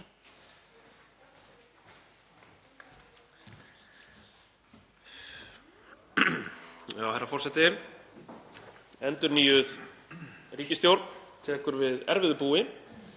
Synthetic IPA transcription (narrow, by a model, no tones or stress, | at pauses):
jaːwheɾːafɔrsɛt̪ɪ | ɛnt̪ʏɾniːjʏð | riːcɪst̪jowɾt̪nt̪ʰɛːkʏɾvɪðɛ̰ɾvɪðʏpuːɪ